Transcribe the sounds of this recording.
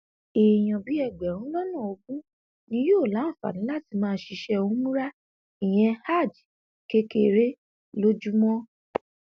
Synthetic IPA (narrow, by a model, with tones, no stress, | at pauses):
e˨j̃ɔ̃˨bi˨˦ɛ˦˨ɡ͡bɛ˨ɾ̃ũ˨˦lɔ˦nũ˦˨o˧ɡũ˦ | nĩ˧˦joː˦˨lã˨˦˨fa̰˨nĩ˨˦la˦ti˧mãː˦˧˦ʃi˧ʃɛ˧o˧ũ˦mũ˦ɾa˦ | i˨j̃ɛ̃˧ha˦˨d͡ʒi˨ | ke˦ke˧˨ɾe˦ | lo˦d͡ʒu˦mɔ̃˦